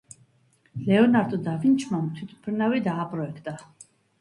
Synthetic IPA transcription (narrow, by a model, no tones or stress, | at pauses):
lɛɔnaɾd̪ʼɔd̪avint͡ʃʰmamt̪ʰwit̪ʰpʰɾnavid̪aːpʼɾɔɛkʰt̪ʼa